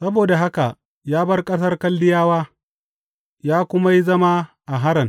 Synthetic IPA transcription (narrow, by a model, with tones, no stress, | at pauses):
sɐ˦boː˨da˨ɦa˦ka˨ʔ | jaː˦bɐ˦rkʼɐ˦s̬ɐ˦rkɐ˦lːɪ˦jaː˦waː˦ | jaː˦kʷʊ˦ma˦ji˦zɐ˦ma˦ʔa˨ɦa˦ɾɐ˨ŋ